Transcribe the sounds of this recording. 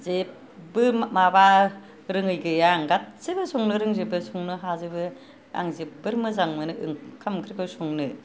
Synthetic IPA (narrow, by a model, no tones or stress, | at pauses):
zep | bɯmaba | ɾɯŋɯjɡɯjaŋɡat̚sɯbɯsɔŋnɯɾɯŋzebɯsuŋnɯɦazɯbɯ | a̰ŋzep̚bɯɾmɯzaŋmɯnɯʔɯŋkʰamkʰɾikʰɯwsuŋnɯ